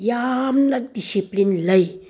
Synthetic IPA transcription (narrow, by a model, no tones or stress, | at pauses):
jamnɐk̚disiplinlɐj